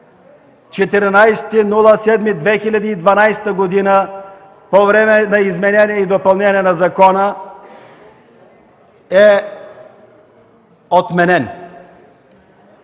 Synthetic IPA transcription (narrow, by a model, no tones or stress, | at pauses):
t͡ʃɛt̪ɛɾnajst̪inulˠəsɛd̪mid̪vɛxilʲɐd̪iːd̪vɐnajst̪əɡod̪inə | povɾɛmɛnɐizmɛnɛniɛid̪opɐlˠnɛniɛnɐzɐkɔnə | ɛ | ot̪mɛnɛn